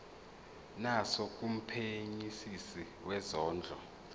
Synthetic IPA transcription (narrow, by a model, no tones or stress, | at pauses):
nasok̬ʼum̩pʰeɲisisi | wɛzɔːnd͡ɮʱɔ